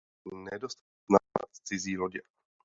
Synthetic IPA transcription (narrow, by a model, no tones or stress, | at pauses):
nɛdost̪at̪nava̰t̪t͡sɪziːloɟɛ